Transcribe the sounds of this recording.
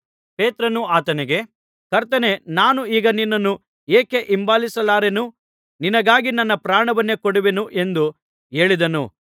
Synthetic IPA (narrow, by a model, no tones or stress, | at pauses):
peːt̪ɾɐnuaːt̪ɐneɡe | kɐɾt̪ɐne̞naːnuiːɡɐninːɐnːu | eːke̞ʔimbaːlisɐlaːɾenu | ninɐɡaːɡinɐnːɐpɾaːɳɐʋɐnːe̞koɽuʋenuʔe̞nd̪u | e̞ːɭid̪ɐnṵ